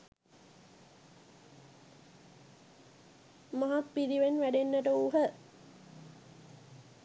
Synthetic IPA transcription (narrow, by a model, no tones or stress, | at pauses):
maɦat̪piɾiʋenʋæɖenːəʈəuɦə